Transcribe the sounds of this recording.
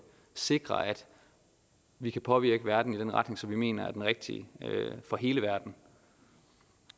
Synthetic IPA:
se̝ɡ̥ʁɐ̰æd̥ | ʋikʰæpʰɒ̽ʋiɐ̰ɡ̥əʋæɐd̥n̩id̥enʁɑ̈d̥ne̝ŋsɒ̽mʋime̝̰ːnɐæɐd̥enʁɛɡ̥̚d̥ḭfɒ̽ɦe̝ːləʋæɐd̥n̩

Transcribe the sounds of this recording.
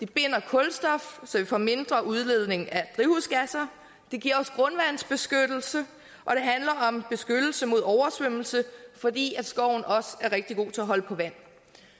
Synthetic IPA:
d̥e̝b̥e̝n̰ɐkʰɔ̽lsd̥ɒ̽fsɒ̽ʋifɒ̰ːme̝nd̥ʁɐʔuð̞ˠle̝ð̞̰ˠne̝ŋæd̥ʁihusɡ̥æsɐ | d̥e̝ɡ̥iɐɒ̽sɡ̥ʁɔ̽nʋænsb̥e̝sɡ̥ød̥l̩sə | ʔɒ̽ɾ̥e̝ɦænlɐʔɒ̽mb̥e̝sɡ̥ød̥l̩səmo̝ð̞ˠɒʊɐsʋøml̩səfɒ̽d̥ḭːæd̥sɡ̥ɒʊ̰n̩ɒ̽sæɐʁeɡ̥̚d̥iɡ̥o̝̰ːt͡sʰe̝æɦɒ̽ləpʰɒ̽ʋæn̰

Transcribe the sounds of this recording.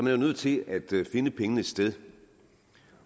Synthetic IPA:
ɒmænæʊnøð̞̰ˠt͡sʰe̝æd̥fe̝nəpʰeŋənəsd̥eð̞ˠ

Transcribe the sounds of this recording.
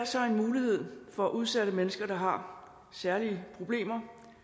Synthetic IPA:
lsɒ̽e̝nmuːlihe̝ð̞̰ˠfɒ̽æʔuð̞ˠsæɾ̥əmenəsɡ̥ɐd̥ɑ̈ɦɑ̈ | sæɐliəpʰʁo̝b̥le̝̰ːmɐ

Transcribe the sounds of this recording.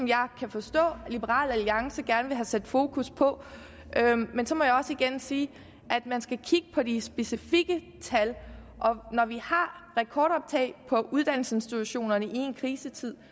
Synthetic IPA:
ɒ̽mjɑ̈ɪkʰæfɒ̽sd̥ɔ̰̽ːlib̥əʁɑ̰̈ːlæliɑ̈ŋsəɡ̥æɐnəʋe̝ɦæsed̥fo̝ːkʰuspʰɒ̽ | ʔømensɒ̽mɒ̽jɑ̈ɒ̽səiɡ̥ensiː | ʔæd̥mænsɡ̥ækʰiɡ̥əpʰɒ̽d̥isb̥e̝sifiɡ̥ə | t͡sʰælʔɒ̽nɒʋihɑ̈ʁɛkʰɒːɾɒ̽b̥̚t͡sʰɛ̰ɪpʰɒ̽ʔuð̞ˠd̥æn̰l̩səe̝nsd̥it͡sʰuɕo̝̰ːnɐnəʔie̝nkʰʁiːsət͡sʰið̞̰ˠ

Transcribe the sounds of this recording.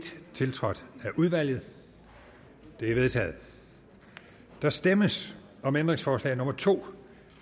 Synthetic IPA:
d̥t͡sʰe̝lt͡sʰʁɒ̽d̥æʔuðˠʋæl̰jð̞̩ˠ | d̥e̝æʋe̝ð̞ˠt͡sʰɛ̰ːð̞̩ˠ | d̥ɑ̈sd̥eməs | ɒ̽mend̥ʁe̝ŋsfɒːslɛ̰ːɪno̽mɐt͡sʰo̝̰ː

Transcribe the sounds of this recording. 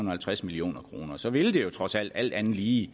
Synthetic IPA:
un̩ɐhælt͡sʰʁasmilio̝̰ːnɐkʰʁo̝ːnɐsɒ̽ʋe̝ld̥e̝jo̝t͡sʰʁɒ̽sæl̰d̥æl̰d̥ænð̩ˠliː

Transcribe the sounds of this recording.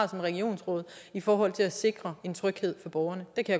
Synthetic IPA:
sɒ̽mʁɛɡio̝̰ːnsʁɔ̽ːð̞̰ˠifɒːɦɒ̽l̰t͡sʰe̝læse̝ɡ̥ʁɐe̝nt͡sʰʁœɡ̥he̝ð̞̰ˠfɒ̽b̥ɒʊɐnəd̥ekʰæja

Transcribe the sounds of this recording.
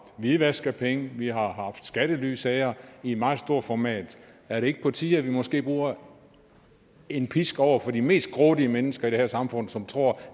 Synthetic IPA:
ʋiʋæsɡ̥ɐpʰeŋəʋihɑ̈ɦɑ̈fd̥sɡ̥æɾ̥əly̰ːsæɪɐid̥mɑ̈ːsd̥o̝ɐ̰fɒmɛ̰ːd̥ | æɐɾee̝ɡ̥əpʰɒ̽t͡sʰiðˠɐʋimɒ̽sɡ̥e̝̰ːb̥ʁuːɐ | e̝npʰisɡ̥ɒʊ̰ɐfɒ̽dime̝̰ːsd̥̚ɡ̥ʁɔːɾiəmenəsɡ̥ɐid̥e̝hæɐsɑ̈mfɔ̽n̰sɒ̽mt͡sʰʁo̝ɐ̰

